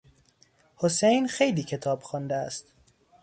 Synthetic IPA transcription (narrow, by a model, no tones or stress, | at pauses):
hosejnxe̞jliːcʰe̞t̪ʰɒːbxɒnd̪eæst̪